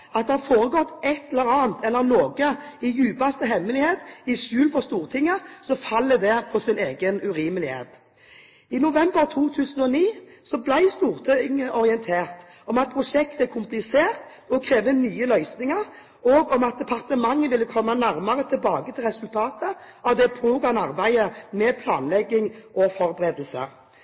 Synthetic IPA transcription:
ɑt̪̚d̪ɛhɑfoːʁəɡɔt̪ːɛt̪ɛləɾɑːnt̪ɛlːəɾloːɡəɪjʉːpɑst̪əɦɛmːəlɪheːt̪ɪʃʉːlfɔʁst̪uːʁt̪ʰɪŋːəsɔfɑlːəd̪ɛpʰɔsɪneːɡənʉɾiːməlɪhḛːt̪ | ɪnʊʋɛmbəɾt̪ʰuːt̪ʰʉːsən̩ɔniːsɔblæɪst̪uːʁt̪ʰɪŋəʔɔɾɪɛnt̪ʰeːʁt̪ | ɔmɑt̪̚pʰʁʊʂɛkt̪ækʰʊmplɪseːʁt̪ | ɔkʰɾeːʋənyːəlœʏsnɪŋəɾ | ɔɡɔmɑt̪̚d̪ɛpʰɑʁt̪əmɑŋːəʋɪlːəkʰɔmːənæʁmɑʁət̪ʰɪlbɑːɡət̪ʰɪlʁɛsʉlt̪ʰɑːt̪əɑʋd̪ɛpʰɾuːɡɑnɑʁbæɪəmɛpʰlɑ̰ːnlɛɡːɪŋɔfɔʁbəʁeːd̪əlsə̰

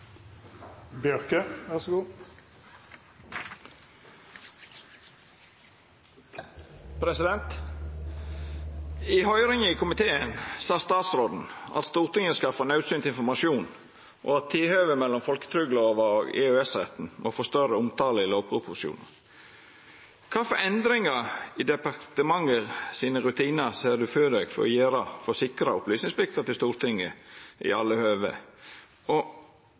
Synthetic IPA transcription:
bjœʁkəʋæʁsɡuː | pʰɾɛsɪd̪ɛnt̪ | iːhœʏɾɪŋəiːkʰʊmɪt̪ʰeːənsɑːst̪ɑːt̪sɾoːd̪n̩ɑ̰t̪st̪uːʁt̪ɪŋəskɑfənɑʉsyːnt̪ɪnfɔmɑʃjuːn | ʔɔ̰ɑt̪ʰːɪlhøːʋəmɛlːɔmfɔlkə̥t̪ʰɾʏɡloːʋəɔɡɛ̰øɛsʁɛt̪n̩mʔɔfoːst̪œɾəʊmt̪ʰɑːləɪloːpʰʁʊpʰʊsṵːnə | kʰɑːfɔɾʔɛnd̪ɾɪŋɑɪd̪ɛpɑɾt̪əmɑŋːəʁsiːnəɾʉt̪ʰiːnɑseːd̪ʉføːd̪eɡfɔ̰ɾɔ̰jeːɾɑfɔsɪkɾɑʊplyːsnɪŋsblɪk̚t̪ət̪ɪlst̪uːɾt̪ʰɪŋːə̰ʔɪ̰ɑ̰lːəhøːʋə̰ | ɔ

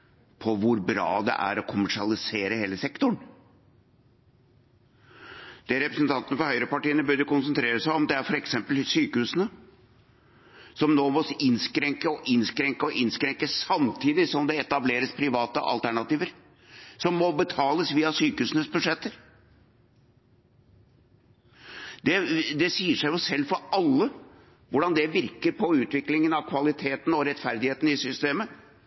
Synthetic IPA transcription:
pʰɔʋʊɾbɾɑ̰ːd̪ɛ̰ʔæ̰ɾɔkʰʊmæʂɪɑlɪseːɾəheːləsɛkt̪ʊɳ | d̪̥ɛɾɛpɾəsənt̪ʰɑnt̪ənəfɔɾhœʏɾəpɑʈiːənəbœɾd̪əkʊnsənt̪ʰɾeːɾəsæɪɔmd̪ɛæɾfɔɾɛksɛmpəlsyːkəhʉːsənə | sɔmnoːmɔsɪnskɾɛŋkəɔʔɪnskɾɛŋkəɔʔɪnskɾɛŋkəsɑmt̪ʰiːd̪ɪsɔmd̪ɛɛt̪ɑbleːɾəspʰɾɪʋɑːt̪əʔɑ̰lt̪ʰæɳɑt̪iːʋəɾ | sɔmːɔbət̪ʰɑːləsʋiːɑsyːkəhʉːsnəsbʉd̪ʂɛt̪ːəɾ | d̪̥ɛd̪ɛsiːəʂæɪjʊsɛlːfɔɾɑlːə | ʋʊɖɑnd̪ɛʋɪɾkəɾpʰɔʉːt̪ʋɪklɪŋənɑʋkʰʋɑlɪt̪ʰeːt̪n̩ɔɾɛt̪fæɾd̪ɪheːt̪nɪsʏst̪eːmə

